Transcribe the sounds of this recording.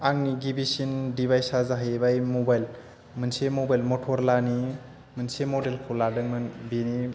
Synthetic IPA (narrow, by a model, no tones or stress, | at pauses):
aŋniɡibisindibajsazaɦajbajmobajl | mɯnsemobajlmɔtʰɔɾlani | mɯnsemodelkʰoladɯŋmɯnbini